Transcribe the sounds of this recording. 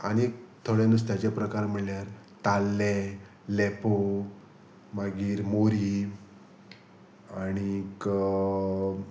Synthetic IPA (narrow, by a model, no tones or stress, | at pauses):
əñekt̪ʰoɽjanust̪jat͡ɕjapɾəkaɾm̤əɽljaɾ | t̪alːe | lepo | maɡiːɾmoɾi | añik